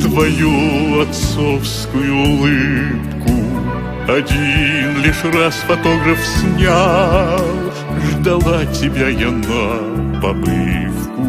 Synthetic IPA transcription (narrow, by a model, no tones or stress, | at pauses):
t̪vɐjuɐt̪sofskʊjʊːlˠɨpkʊ | ɐdʲinlʲiʂrasfɐt̪o̞ɡɾəfsʲnʲa | lˠ | ʐd̪ɐlˠatʲɪbʲajana | pɐbɨ̰fkʊ